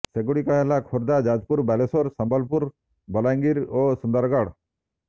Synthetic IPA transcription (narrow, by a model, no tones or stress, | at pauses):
seɡuɽikaɦelakʰoɾd̪ad͡ʒad͡ʒpuɾbɛlesoɾsɔmbalpuɾ | bɔlajŋɡiɾosund̪aɾɡaɽ